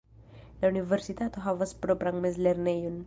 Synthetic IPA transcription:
naunivɛrsit̪at̪oɦawaspɾɔbɾaŋmɛslɛrnɛjun

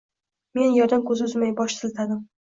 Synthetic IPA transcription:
me̞njɒɾd̪ankʰɵzɪʊzmajbɒʃt̪ʰɪlt̪ʰad̪ɪm

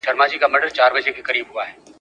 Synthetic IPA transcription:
ɖɐɾmaːd͡ʒikamɐɖəɾt͡ʃaːɾʋɐʃekʰekɐɾiːbɦʊaɦɛː

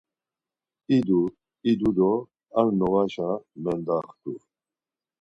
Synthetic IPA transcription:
id̪u | id̪ud̪ɔ | aɾnɔɣaʃamɛnd̪aχt̪u

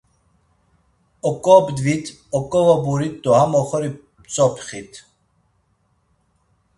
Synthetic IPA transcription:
ɔkʼɔbd̪vit̪ʰ | ɔkʼɔvabuɾit̪d̪ɔhamɔχɔɾi | pt͡sʼɔpʰχit̪ʰ

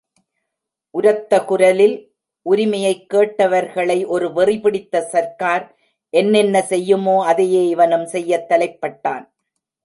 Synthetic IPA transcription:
ʔʊɾɐt̪ːɐkʊɾɐlɪl | ʔʊɾɪmɐjɐɪkːeːʈːɐʋɐɾɣɐɭɐɪʔɔɾɯʋɪrɪpɪɽɪt̪ːɐsɐɾkaːɾ | ʔɛnːɛnːɐsɛjːɯmoːɐðɪjeːɪʋɐnɯmsɛjːɐt̪ːɐlɐɪpːɐʈːaːn

